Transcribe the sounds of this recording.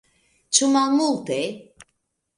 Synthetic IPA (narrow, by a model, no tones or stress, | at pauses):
t͡ʃʰumamult̪ɛ